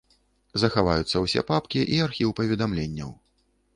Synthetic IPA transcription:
zɐxava̰jut̪sːɐwsʲɛ̰papkʲiʔiarxʲiwpɐvʲɛd̪amlʲenʲːɐ̰w

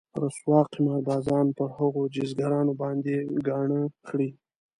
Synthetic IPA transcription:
ɾaswɑːqimɑɾb̪ɑːzɑːnpəɾhaɣod͡ʒizɡaɾɑnobɑnd̪eɡɑɳəxɽi

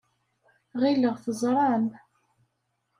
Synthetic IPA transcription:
ʁiləʁθəzˤɾˤɑn

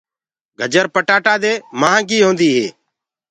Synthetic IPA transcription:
ɡʱəd͡ʒəɾpəʈaːʈaːd̪eːmaːɦãːɡiːɦõːnd̪iːɦḛː

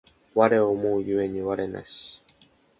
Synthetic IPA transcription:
βaɾe̞omoːjɯe̞ɲ̟iβaɾe̞na̰ɕi̥

